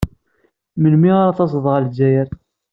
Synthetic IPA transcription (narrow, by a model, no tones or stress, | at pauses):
məlmiʁaɾˤaθɑs̬ˤəðˤʁəld͡ʒæjəɾ